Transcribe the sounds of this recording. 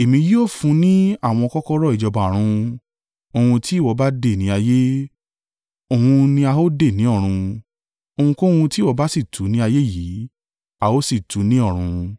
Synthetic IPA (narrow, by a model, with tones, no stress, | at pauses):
e˨mĩ˧ji˦o˦˨fũ˧˦nĩ˦a˦˨w̃ɔ̃˧kɔ˦kɔ˦ɾɔ˦˨i˨d͡ʒɔ˧ba˨ɾ̃ũ˧ | o˧hũ˧tʰi˦˨wɔ˨˧ba˦de˦˨nĩ˨˦a˧je˦ | o˦˨hũ˧nĩ˧a˧o˦de˦˨nĩ˨˦ɔ˦˨ɾ̃ũ˧ | o˧hũ˧ko˦hũ˧ti˦˨wɔ˨˧ba˦si˦˨tʰu˨˦nĩ˦a˧je˦˨ji˨˦ | a˨o˦si˦˨tu˨˦nĩ˦ɔ˦˨ɾ̃ũ˧